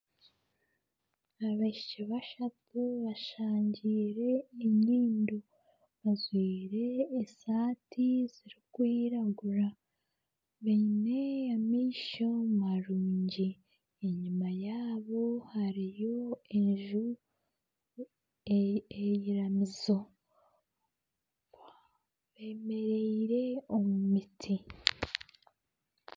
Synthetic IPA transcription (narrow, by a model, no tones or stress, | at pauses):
aβaʃt͡ʃiβaʃatuβaʃaːɲɟiːɾe̞ːɲiːndo | βazwiːɾe̞ːsaːtʰiz̥iɾikwiːɾaɡuɾa | βene̞jamiːʃomaɾuːɲɟi | eɲumajaːβo̞haɾijo̞eɲʒu | ejiɾamizo̞ | βe̞ːme̞ɾeiɾe̞omumitʰi